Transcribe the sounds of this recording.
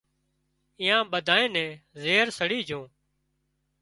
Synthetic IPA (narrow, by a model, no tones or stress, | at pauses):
iːãːɓəd̪ʱaːẽːnɛ̃ːzeːɾsəɽiːd͡ʒʱõː